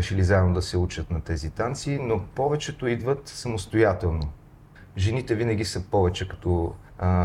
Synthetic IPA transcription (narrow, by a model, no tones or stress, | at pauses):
ɛʃɛlizaɛd̪nod̪ɐsɛut͡ʃət̪nɐt̪ɛzit̪ant̪sinopɔvɛt͡ʃɛt̪oid̪vət̪sɐmost̪ojat̪ɛlˠno | ʒɛnit̪ɛvinɐɡ̟ʲisɤpɔvɛt͡ʃɛkɐ̥t̪ɔ